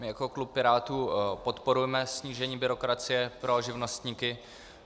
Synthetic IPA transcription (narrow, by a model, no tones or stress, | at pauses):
mɪjakoklup̚pɪɾaːt̪uːpo̞t̪po̞ɾujɛmɛsɲiːʒɛɲiːbɪɾo̞kɾat͡sɪjɛpɾoʒɪvno̞st̪ɲiːkɪ